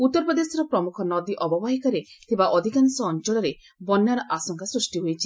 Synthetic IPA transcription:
ut̪ːɔɾpɔd̪esɔɾɔpɾɔmukʰɔnɔd̪iʔɔbɔbaɦikɔɾet̪ʰibaʔɔd̪ʱikansɔːnt͡ʃɔɭɔɾe | bɔnjaɾɔʔasɔŋkasɾusʈiɦojt͡ʃʰi

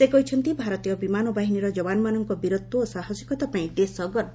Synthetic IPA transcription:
sekɔɦit͡ʃʰɔnt̪ibʱaɾɔt̪ijɔbimanɔbaɦiniɾɔd͡ʒɔbanɔmanɔŋkɔbiɾot̪ːuːsaɦɔd͡ʒɔkɔt̪apaĩd̪esɔɡɔɾ

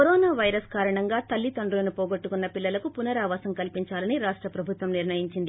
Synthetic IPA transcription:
koɾɔːnaːʋɐjɾɐskaːɾɐɳɐŋɡaːt̪ɐlːit̪ɐɳɖulɐnupoːɡoʈːukunːɐpilːɐlɐkupunɐɾaːʋaːsɐŋkɐlpiɲt͡ʃaːlɐniɾaːʂʈɾɐpɾɐbʱut̪ʋɐmniɾnɐjiɲt͡ʃind̪i

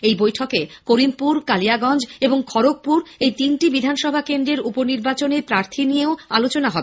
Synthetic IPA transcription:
ejbojʈʰɔkekoɾimpuɾkalijaɡɔnd͡ʑeboŋkʰɔɾok̚puɾejt̪inʈibid̪ʱanʃɔbʱakend̪ɾeɾuponiɾbat͡ɕonepɾaɾt̪ʰinijeoalot͡ɕonaɦɔbe

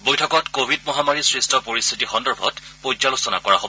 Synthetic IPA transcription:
bojtʰɔkɔtkobʱidmɔɦamaɹisɹistʰɔpoɹist̪ʰitixɔndɔɹbʱɔ̰tpojd͡ʒalosɔna̰kɔɹaɦobɔ

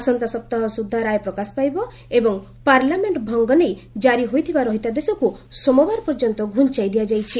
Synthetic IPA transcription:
asɔnt̪asɔp̚t̪aɦɔsud̪ʱːaɾajpɾɔkaspajbɔ | ebɔŋ | paɾlameɳʈbʱɔŋɡɔnejd͡ʒaɾiɦojt̪ʰibaɾɔɦit̪ad̪esɔkusɔmɔbaɾpɔɾd͡ʒɔnt̪ɔɡʱunt͡ʃajd̪iad͡ʒajt͡ʃʰi

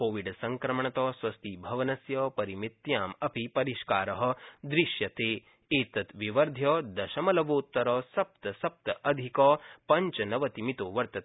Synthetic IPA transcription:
koːʋiɖsɐŋkɾɐmɐɳɐt̪ɐːsʋɐst̪ibʱɐʋɐnɐsjɐːpɐɾimit̪jaːmɐpipɐɾiʃkaːɾɐɦɐ̆d̪ɾiʃjɐt̪eː | eːt̪ɐt̪ʋiʋɐɾd̪ʱjɐːd̪ɐʃɐmɐlɐʋoːt̪ːɐɾɐːsɐp̚t̪ɐsɐp̚t̪ɐʔɐd̪ʱikɐːpɐɲt͡ʃɐnɐʋɐt̪imit̪oːʋɐɾt̪ɐt̪ː

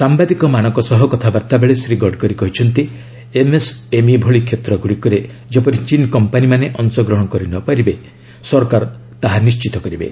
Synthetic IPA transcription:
sambad̪ikɔmanɔ̃ŋkɔsɔɦɔkɔt̪ʰabaɾt̪abeɭesɾiɡɔɖkɔɾikɔɦit͡ʃʰɔnt̪i | emesemibʱoɭikʰet̪ɾɔɡuɽikɔɾe | d͡ʒepɔɾit͡ʃinkɔmpanimaneʔɔnsɔɡɾɔɦɽ̃ɔkɔɾinɔpaɾibe | sɔɾkaɾ | t̪aɦanist͡ʃit̪ɔkɔɾibḛ

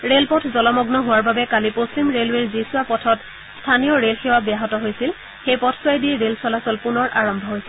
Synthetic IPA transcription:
ɹelpɔtʰzɔlɔmɔɡnɔɦʊwaɹbabɛkalipost͡ɕimɹelweɹzisʊapɔtʰɔt | stʰanijɔɹelxewabijaɦɔtɔɦojsil | xejpɔtʰswajdiɹelsɔlasɔlpunɔɹʔaɹɔmbʱɔɦojsɛ

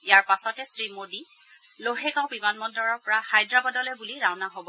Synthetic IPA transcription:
ijaɹpasɔtɛsɹimodi | loɦɛkãʊ̃bimanmɔdɔɹɔɹpɔɹahajdɹabɔdɔlɛbuliɹawnaɦobɔ

